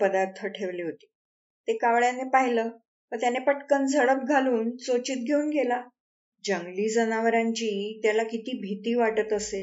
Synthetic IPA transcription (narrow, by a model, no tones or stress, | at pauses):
pəd̪aɾt̪ʰəʈʰeʋliːɦot̪i̥ː | t̪ekaʋɭjanepaɦiləː | ʋət̪janepəʈkənd͡zʱəɭəp̚ɡʱaluːnsot͡ɕiːt̪̚ɡʱeuːnɡela | d͡ʑəŋɡliːd͡zənaʋəɾaɲt͡ɕiːt̪jalakit̪iːbʱit̪iːʋaʈət̪əse